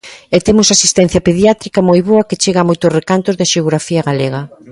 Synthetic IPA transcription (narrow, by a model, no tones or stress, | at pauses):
et̪emʊsasist̪ɛn̟θjɐpeðjat̪ɾikɐmojβoɐket͡ʃeɣɐamojt̪ʊsrekant̪ʊzðaʃeoɣɾafiɐɣaleɣɐ